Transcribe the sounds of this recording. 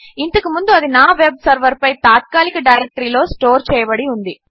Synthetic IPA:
int̪ɐkumund̪uɐd̪inaːʋeb̚sɐɾʋɐɾpɐjt̪aːt̪̚kaːlikɐɖɐjɾek̚ʈɐɾiːlo̞ːsʈoːɾt͡ʃɛːjɐbɐɽiund̪i

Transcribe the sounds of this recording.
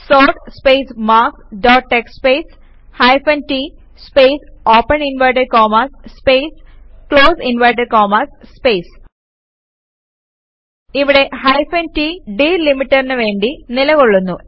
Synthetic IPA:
soːʈspejsmaːkɖoːʈːekspeːs | hɐjfɐnti | speːsoːpːɐninʋɐjʈɐɾkoːmɐsspejskɭoːsinʋɐjʈɐɾkoːmɐsspeːs | iʋiɽe̞hɐjfɐntiɖiːlimiʈːɐrinɨʋe̞ːɳɖinilɐɣoɭːunːu

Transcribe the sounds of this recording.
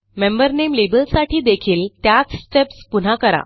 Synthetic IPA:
membəɾnemlebəlsaʈʰiːd̪ekʰiːlt̪jat͡ssʈepspun̤akəɾa̰

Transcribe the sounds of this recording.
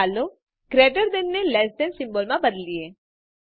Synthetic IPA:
aːlo | kɾeːʈəɾd̪ɪnːelɛːsʈ̪ɛnsɪ̃mboːlmãbəd̪lieː

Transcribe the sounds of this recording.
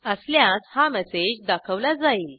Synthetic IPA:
əsljat͡shamɛsed͡ʑd̪akʰəʋlad͡zaiːl

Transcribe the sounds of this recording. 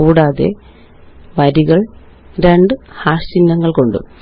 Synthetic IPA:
uːɽaːðe̞̰ | ʋɐɾiɣɐɭ | ɾeɳɖɨhaːʂt͡ɕinːɐŋːɐɭko̞ɳɖɨ̰

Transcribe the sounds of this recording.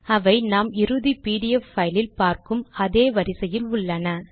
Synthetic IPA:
ɐʋɐɪnaːmɪɾɯðipiːɽɪjɛfːɐjlɪlpaːɾkɯmɐðeːʋɐɾɪsɐjɪlʊɭːɐnɐ

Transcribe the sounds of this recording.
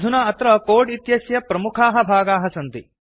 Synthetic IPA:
d̪ʱunaɐt̪ɾɐkoːɖit̪jɐsjɐpɾɐmukʰaːɦɐ̆bʱaːɡaːɦɐsɐnt̪i

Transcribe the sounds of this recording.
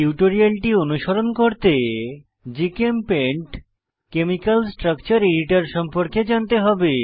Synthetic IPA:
iuʈoɾialʈionuʃoɾonkoɾt̪e | d͡ʑikempeɳʈ | kemikalsʈɾakt͡ɕaɾeɾiʈaɾʃɔmpoɾked͡ʑant̪eɦɔbe

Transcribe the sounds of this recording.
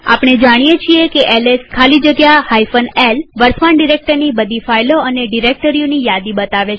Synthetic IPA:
a̰pɽ̃ed͡ʒaɽ̃ijet͡ʃʰiekeʔɛleskʰalid͡ʒəɡjahajfənelʋəɾsʰmaɳɖiɾek̚ʈəɾnibəd̪ʱifajloəneɖiɾek̚ʈəɾijonijad̪ibət̪aʋet͡ʃ

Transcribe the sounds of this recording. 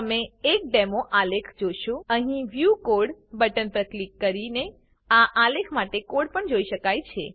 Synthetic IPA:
əmeːk̚ɖemoʔalekʰd͡ʒoʃũəɦĩʋjukoɽbəʈənpɾəklikːəɾine | aʔalekʰmaʈekoɽpəɳd͡ʒoiʃəkajt͡ʃʰe

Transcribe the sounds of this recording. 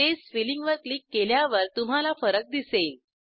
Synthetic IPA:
esʋiliŋɡʋəɾklikːeljaʋəɾt̪um̤alafəɾək̚d̪isel

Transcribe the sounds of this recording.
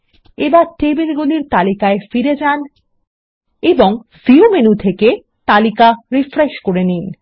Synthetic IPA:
ebaɾʈebelɡuliɾt̪alikaefiɾed͡ʑan | eboŋfiumenut̪ʰeke | t̪alikaɾifɾeʃkoɾenin

